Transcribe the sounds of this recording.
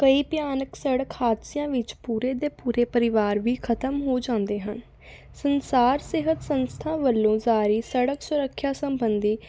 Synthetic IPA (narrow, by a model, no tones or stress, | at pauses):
kəiːpjaːnəksəɽəkhaːd̪sɪjãːʋɪt͡ʃpuːɾeːd̪eːpuːɾeːpəɾɪʋaːɾʋiːkʰət̪əmɦoːd͡ʒãːnd̪eːɦən | sənsaːɾsɪɦət̪sənst̪ʰãːʋəlːõːzaːɾiːsəɽəksʊɾəkʰːjaːsəmbənd̪iː